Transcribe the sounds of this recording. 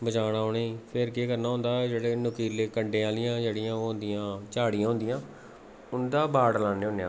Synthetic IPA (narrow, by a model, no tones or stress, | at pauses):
bəd͡ʒaːɽaːoːneipʰɪɾkeːkəɾnaːɦʊ̃nd̪aːɛd͡ʒeːɽeːnʊkiːleːkəɳɖẽːãːlɪjãːd͡ʒeːɽijãːoɦʊ̃nd̪ɪjãːt͡ʃaːɽijãːɦʊ̃nd̪ɪjãː | ʊnd̪aːbaːɽlaːneːɦʊ̃neãː